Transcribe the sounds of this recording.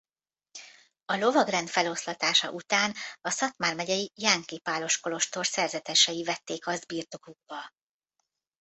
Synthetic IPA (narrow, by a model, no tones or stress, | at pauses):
ɒlo̞vɒɡrɛnt̪fɛlo̞slɒt̪aːʃɒ̰ʔut̪aːnɒsɒt̪maːrmɛɟɛjijaŋkipaːlo̞ʃko̞lo̞ʃt̪o̞rsɛrzɛt̪ɛʃɛjivɛt̪ːeːkɒzd̪̚biːrt̪o̞kuɡ̚bɒ